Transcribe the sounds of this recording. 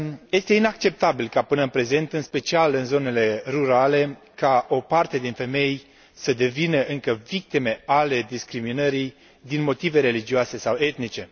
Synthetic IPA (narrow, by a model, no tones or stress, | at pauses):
je̞st̪e̞inakt͡ʃe̞p̚t̪abilkapɨnəɨnpɾe̞ze̞nt̪ɨnspe̞t͡ʃialɨnzo̞ne̞le̞ruɾale̞ | kaʔo̞part̪e̞d̪infe̞me̞j | səd̪e̞vinəʔɨŋkəvik̚t̪ime̞ale̞d̪iskɾiminəɾi | d̪inmo̞t̪ive̞ɾe̞lid͡ʒioase̞sawe̞t̪nit͡ʃe̞